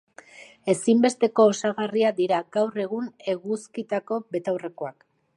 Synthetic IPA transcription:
e̞simbe̞st̪e̞ko̞ːsaɣariad̪iɾaɡawre̞ɣ̞une̞ɣuskit̪ako̞be̞t̪awre̞ko̞ak

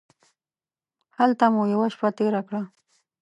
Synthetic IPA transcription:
halt̪amʊjawaʃpat̪eɾakɽa

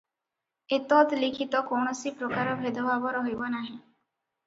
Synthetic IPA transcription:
et̪ɔt̪likʰit̪ɔkɔɳ̃ɔsipɾɔkaɾɔbʱed̪ʱɔbʱabɔɾɔɦojbɔnaɦĩ

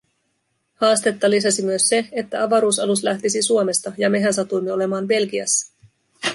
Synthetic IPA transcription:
hɑːst̪e̞t̪ːɑlisɑsimyøsːe̞et̪ːæɑʋɑɾuːsɑluslæht̪isisuome̞st̪ɑjɑme̞ɦænsɑt̪ujmːeo̞le̞mɑːnbe̞lkiɑ̰sːɑ̥

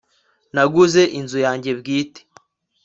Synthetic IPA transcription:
naɡuze̞ʔinzujaːɲɟe̞bɡiːte̥

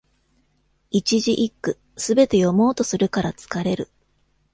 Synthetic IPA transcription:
it͡ɕiʑiʔikːɯ̟ | sɨbe̞t̪e̞jo̞mo̞ːt̪o̞sɨɾɯ̟kaɾat͡sɨ̥kaɾe̞ɾɯ̟

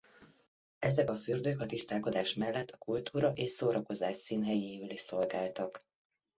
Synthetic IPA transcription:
ɛzɛkɒfyrd̪økɒt̪ist̪aːlko̞d̪aːʃmɛlːɛt̪ʰːɒ̥kult̪ʰuːɾɒʔeːʃsoːɾɒko̞zaːʃsiːnɦɛjeːvɛliʃso̞lɡaːlt̪ɒk

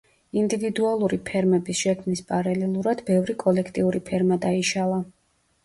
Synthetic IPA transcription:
ind̪ivid̪ualˠuɾipʰɛɾmɛbisʃɛkʰmnispʼaɾalɛlˠuɾad̪̥bɛvɾikʼɔlɛkʰt̪ʼiuɾipʰɛɾmad̪aiʃalˠa

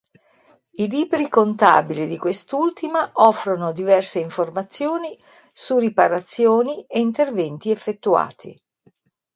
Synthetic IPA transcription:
iliːbɾikont̪a̰ːbilid̪ikwest̪ult̪imaʔɔfːɾonod̪ivɛrseiɱformat̪sːjoːni | suripaɾat̪sːjoːnieint̪ervɛnt̪iefːet̪ːua̰ːt̪ʰḭ

